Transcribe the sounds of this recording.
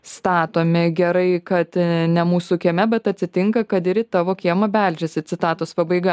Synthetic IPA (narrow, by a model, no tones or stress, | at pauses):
st̪ɑːt̪oːmʲɪɡʲɛɾɐɪkɐt̪nʲɛmuːsʊkʲiɛmʲɛbʲɛt̪ɐtʲsʲɪt̪ʲɪŋkɐkɐt̪ɪɾʲɪt̪ɑːʋoːkʲiɛmɐbʲælʲd͡ʒʲesʲɪt̪t͡s̪ʲɪt̪ɑːt̪oːspɐbɐɪɡɐ